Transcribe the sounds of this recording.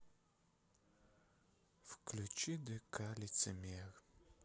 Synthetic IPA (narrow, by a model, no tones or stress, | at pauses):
fkʰlut͡ʃʼidɐkʰalit͡semeːr